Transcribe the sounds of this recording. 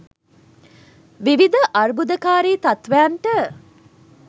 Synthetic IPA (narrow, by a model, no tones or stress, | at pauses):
ʋiʋid̪əʔɐrbud̪əkaːɾiːt̪at̪ʋɛɐɳʈə